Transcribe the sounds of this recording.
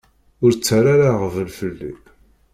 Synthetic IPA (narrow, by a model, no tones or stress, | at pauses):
ʊɾt͡sːaɾaɾaʁvəlfəlːḭθ